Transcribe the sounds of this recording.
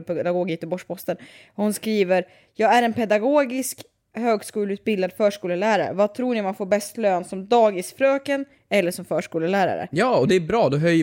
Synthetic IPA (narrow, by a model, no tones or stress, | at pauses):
pɛd̪aɡoːɡjɛt̪əbɔʂpʰɔst̪ən | hʊnskɾiːvəɾ | jɑːɡæɾɛnpʰɛd̪aɡoːɡɪsk | høːɡskuːlʉːt̪̚bɪld̪ad̪fœːʂkuːləlæːɾa̰ɾə̰vat̪ʰɾuːɳɪmanfoːɾbɛst̪løːnsɔmd̪ɑːɡɪsfɾøːkən | ɛlːəʂɔmfœːʂkuːləlæːɾa̰ɾə̰jɑːɔd̪ɛːbɾɑːd̪ɔɦœj